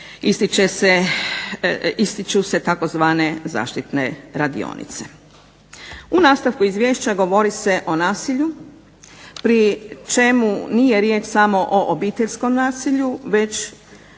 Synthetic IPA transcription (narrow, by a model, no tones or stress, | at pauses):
ist̪it͡ʃese | ist̪it͡ʃuse̞t̪ako̞zʋaːne̞za̰ːʃt̪it̪ne̞̰ɾad̪ḭo̰ːnḭt̪se̞̥ | unaːst̪aʋkuizʋje̞ːʃt͡ɕaɡo̞ʋo̞ɾise̞ʔo̞naːsiʎu | pɾit͡ʃe̞munije̞ɾjeːt͡ʃsamo̞ʔoʔobiːt̪e̞ʎʲsko̞mnaːsiʎuʋe̞t͡ʃ